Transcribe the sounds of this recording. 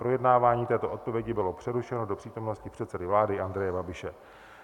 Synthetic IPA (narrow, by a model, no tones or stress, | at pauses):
pɾo̞jɛdnaːvaːɲiːt̪ɛːt̪o̞ʔo̞t̪̚po̞vjɛɟɪbɪlo̞pr̥ɛɾuʃɛno̞do̞pr̥iːt̪o̞mno̞scɪpr̥ɛt̪sɛdɪvlaːdɪʔand̪ɾɛjɛbabɪʃɛ